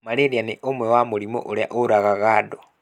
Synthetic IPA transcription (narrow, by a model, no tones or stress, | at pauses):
maleɾjaneʔomwewamoɾimo̰ʔoɾja̰ʔoɾaɣaɣado